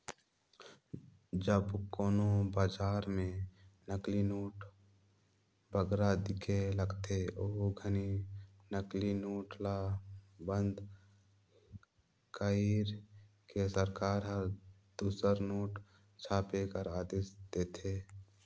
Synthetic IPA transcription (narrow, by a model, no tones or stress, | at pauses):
d͡ʒəbkoːnobaːd͡ʒaːɾmẽnəklinoːʈ | bʱəɡɾad̪ɪkʰeləɡt̪eoːɡʱəni | nəklinoːʈlabə̃nd̪ | kaiɾ | kesəɾkaːɾɦəɾ | d̪̥uːsəɾnoːʈ | t͡ʃʰaːpekəɾaːd̪eːsd̪eːt̪ʰeː